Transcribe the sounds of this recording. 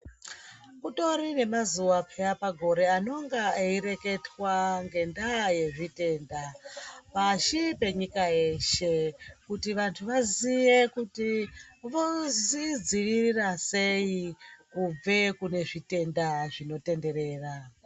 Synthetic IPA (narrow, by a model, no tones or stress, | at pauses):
kuto̞ɾine̞mazuʋapʰejapaɡʱo̞ɾe̞ano̞ŋɡaeiɾe̞ke̞twaŋɡe̞ndaje̞ʐite̞ːndapaʃipe̞ɲikaje̞ʃe̞kutiʋantʰuʋazije̞kutiʋozid͡ziʋirirase̞ikub͡ve̞kune̞ʐite̞ndaʐino̞te̞nde̞ɾe̞ːra